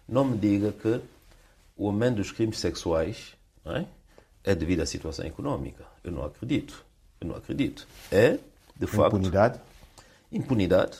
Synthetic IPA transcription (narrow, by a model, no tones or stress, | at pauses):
nɐ̃w̃mɨd̪iɣɐkɨ | uɐmẽnt̪d̪uʃkɾimɨʃsɛkswajʃ | nɛ̰ | ɛd̪ɨvid̪uasit̪wɐsɐ̰̃w̃ikunɔmḭkɐ̥ewnɐ̰̃w̃ɐkɾɨðit̪u̥ | ewnɐ̃w̃ɐ̰kɾɨðit̪u̥ɛ | d̪ɨfa̰knðað | ĩmpuniða̰ð